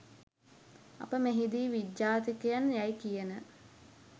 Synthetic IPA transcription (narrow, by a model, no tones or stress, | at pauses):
ɐ̰pəmeɦid̪iːʋidjaːt̪ikəjanjajkijənə